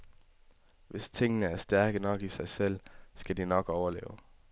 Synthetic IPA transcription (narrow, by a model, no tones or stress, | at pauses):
ʋe̝st͡sʰe̝ŋ̰nəæɐsd̥æɐɡ̥ənɒ̽ɡ̥isɑ̈ɪsel̰sɡ̥æd̥inɒɡ̥ɒʊɐlḛːʊ